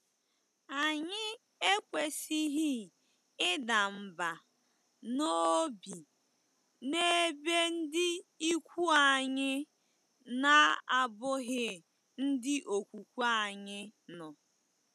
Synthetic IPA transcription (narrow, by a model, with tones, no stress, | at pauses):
a˨ɲɪ˦ | e˦kʷe˨si˦ɦɪ˦ | ɪ˦da˨m̩˨ba˨ | no˦bi˨ | ne˦be˦n̩˦dɪ˦i˦kʷu˦a˨ɲɪ˦ | na˦˨a˨bʊ˦ɦɪ˦ | n̩˦dɪ˦ʔo˨kʷu˨kʷu˦a˦˨ɲɪ˦nɔ˨